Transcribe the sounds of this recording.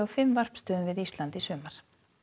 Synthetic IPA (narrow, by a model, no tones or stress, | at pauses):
awfɪmvar̥pst̪œːʏmvɪðist̪lant̪isʏːmaɾ̥